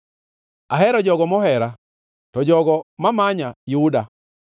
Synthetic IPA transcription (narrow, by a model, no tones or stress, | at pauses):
aɦɛɾɔd͡ʒɔɡɔmɔhɛɾa | tɔd͡ʒɔɡɔmamaɲajuda